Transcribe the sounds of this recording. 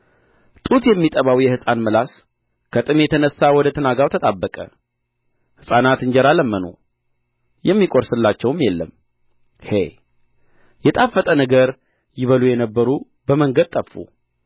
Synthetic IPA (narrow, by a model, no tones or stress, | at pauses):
t̪ʼut̪jɛmːit̪ʼəβawjɛhɨsʼanməlas | kʰət̪ʼɨmjɛt̪ʰənəsːawɔd̪ət̪ʰənaɡawt̪ʰət̪ʼabːəkʼə̰ | hɨsʼanat̪ɨɲd͡ʒɛɾaləmːənṵ | jɛmːikʼoɾsɨlːat͡ʃːɛwmjɛlːəm | hḛ | jɛt̪ʼafːət̪ʼənəɡəɾ | jɪβəlujɛnəbːəɾu | bəməŋɡəd̪̚t̪ʼəfːṵ